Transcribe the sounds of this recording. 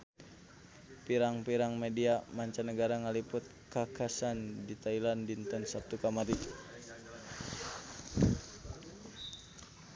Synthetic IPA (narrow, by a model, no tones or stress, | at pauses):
piɾaŋpiɾaŋmediamaɲt͡ʃanəɡaɾaŋalipʊt̪̚kakasandit̪ailandint̪ənsap̚t̪ukamaɾi